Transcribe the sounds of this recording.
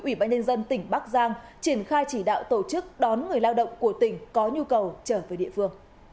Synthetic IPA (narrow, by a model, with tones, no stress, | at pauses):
ʔwi˧˩ɓaː˧nɲə˧nzə˧nt̪ï˧˩ŋ̟ɓa˦˥k̚zaː˧ŋt͡ɕi˧˩ənxaː˧jt͡ɕi˧˩ɗa̰ː˧˨wt̪o˧˩t͡ɕɨ˦˥k̚ɗɔ˨˦nŋɨ˨˩əjlaː˧wɗə̰˧˨wŋ͡mku˧˩ət̪ï˧˩ŋ̟kɔ˨˦ɲu˧kə˨˩wt͡ɕəː˧˩vəː˨˦jɗḭ˧˨əfɨ˧əŋ